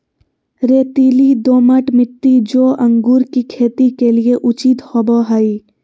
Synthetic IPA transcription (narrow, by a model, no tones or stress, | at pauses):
ɾeːt̪iːlid̪oːməʈmɪt̪ːid͡ʒoːʔə̃ŋɡuːɾkikʰeːt̪ikelieʔʊt͡ʃit̪hɔːboɦai